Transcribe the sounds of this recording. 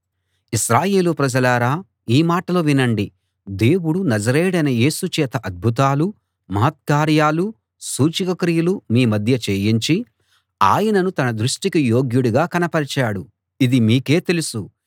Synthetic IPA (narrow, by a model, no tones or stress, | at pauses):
iʃɾaːje̞ːlupɾɐd͡ʒɐlaːɾaː | iːmaːʈɐloːʋinɐɳɖi | d̪e̞ːwuɽunɐd͡ʒɐɾɛːɽɐnɐje̞ːsut͡ʃɛːt̪ɐʔɐd̪̚bʱut̪̬aːlu | mɐɦːt̪̚kaːɾjaːlu | suːt͡ʃikɐkɾijɐlumiːmɐd̪ʱjɐt͡ʃeːjiɲt͡ʃi | a̰ːjɐnɐnut̪ɐnɐd̪ɾuʂʈikijo̞ːɡjuɽuɡaːkɐnɐpɐɾɐt͡ʃaːɽu | id̪imiːke̞ːt̪e̞lusu